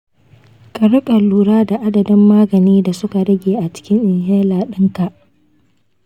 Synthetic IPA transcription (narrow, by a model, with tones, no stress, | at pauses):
kʼɐ˨ɾʊ˦kʼɐ˨lːuː˦ɽaː˦da˨ʔa˦dɐ˨dɪ˦mːaː˦ɡɐ˨niː˦da˨sʊ˦ka˨ɽɐ˦ɡʲeː˨ʔa˨t͡ʃɪ̥˦kʲɪ˦ŋʔɪ˨ŋɦɛː˦laː˨ɗɪ˦ŋka˨ʔ